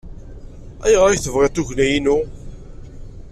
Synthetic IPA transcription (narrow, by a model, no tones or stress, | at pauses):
æjʁɾˤajθəvʁet̪ˤːuʝnæjinu